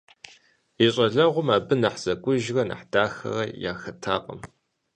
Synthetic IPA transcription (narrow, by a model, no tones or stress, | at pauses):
iɕʼɐɮɐʁʷʊmaːbɨnɐħz̥ɐkʷʼʊʒrɐnɐ̰ħd̥aːxɐ̰rɐja̰ːxɐtʰaːqʼɐ̰m